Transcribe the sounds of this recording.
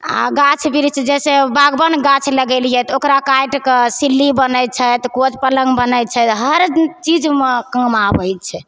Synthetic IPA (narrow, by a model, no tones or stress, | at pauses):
a̰ɡat͡ʃʰbiɾt͡ʃʰɛd͡ʒɛsebaɡbənɡat͡ʃʰləɡɛlijɛt̪okɾakajʈkesilːibənət͡ʃʰɛt̪kot͡ʃpələŋɡbənət̪̚t͡ʃʰɛt̪ɦəɾt͡ʃid͡ʒmekə̃ŋɡmabəjt̪̚t͡ʃʰɛ